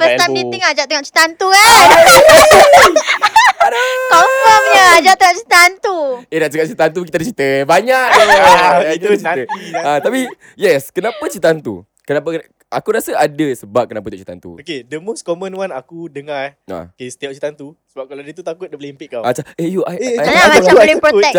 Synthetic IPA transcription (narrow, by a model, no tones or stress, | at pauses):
fəsaniiŋad͡ʒaʔt̪əŋaʔt͡ʃi̥t̪ant̪ua | kɔfɔmɲəad͡ʒaʔt̪əŋaʔt͡ʃit̪ant̪uenaʔt͡ʃəŋaʔt͡ʃit̪ant̪̬ukit̪adət͡ʃit̪əbaɲaʔat̪ut͡ʃiəat̪api | jɛskənãpət͡ʃit̪ant̪ṵ | kənapə | akuɾasəadəsəbap̚kənapət̪jɔʔt͡ʃi̥t̪a̰nt̪ṵokedəmoskomə̃nwanakudəŋara̰kest̪iaʔ̚t͡ʃit̪ant̪usəbap̚kaladət̪ut̪akʊt̪̚dəbəlempɪʔkːaat͡ʃaejuaaamaalipɾoɛk